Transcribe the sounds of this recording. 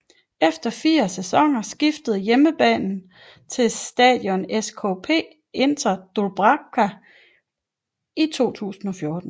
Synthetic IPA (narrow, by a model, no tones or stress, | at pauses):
efd̥ɐfiːɐsesɒ̽ŋ̰ɐsɡ̥ifd̥əð̞̩ˠjeməb̥ɛ̰ːnn̩ | t͡sʰe̝lsd̥ɛ̰ðˠjɒ̽neskʰɔ̰pʰe̝̰ː | e̝nd̥ɐd̥olb̥ʁɑkʰæ | it͡sʰo̝̰ːt͡sʰṵːsn̩ɒ̽fjɔ̝ːd̥n̩